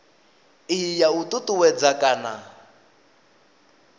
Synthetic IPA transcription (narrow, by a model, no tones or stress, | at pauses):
ɪjautʼutʼuwɛd͡zakʼana